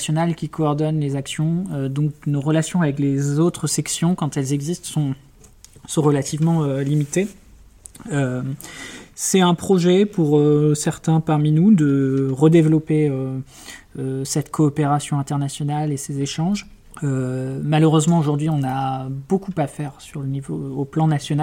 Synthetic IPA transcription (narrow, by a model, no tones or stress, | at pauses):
sjɔnalkʲikɔːʁd̪ɔnlezaksjɔ̃ød̪ɔ̃k̚noʁəlasjɔ̃avɛklezot̪χəsɛksjɔ̃kɑ̃t̪ɛlzɛɡzist̪sɔ̃ | sɔ̃ʁəlat̪ivmɑ̃ølimit̪e | ø | sɛt̪ɛ̃pχɔʒɛpuʁøsɛʁt̪ɛ̃paʁminud̪əʁəd̪evlɔpeø | øsɛt̪kʰɔːpeʁasjɔ̃ɛ̃t̪ɛʁnasjɔnalesezeʃɑ̃ʒ | ømaløʁøzmɑ̃oʒuʁd̪ɥiɔ̃nabokupafɛʁsyʁlənivoːplɑ̃nasjɔna